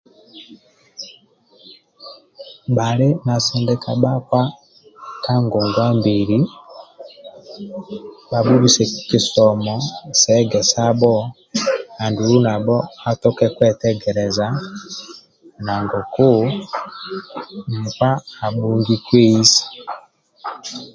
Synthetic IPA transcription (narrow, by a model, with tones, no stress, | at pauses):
ɓale˦na˨sɛndɛka˨ɓakwa˦ | ka˦ŋɡoŋɡwa˦mbiɾi | ba˨buβisɛ˨ki˨sɔmɔsɛɡɛ˨sabɔ | a˨nduu˦na˨bɔ˦a˦tɔ˦kɛ˦kwɛ˦tɛɡɛ˨ɾɛza | na˨ŋɡo˨ku˦ | m̩kwaː˦˨ɓuŋɡikwe˦isi̥˨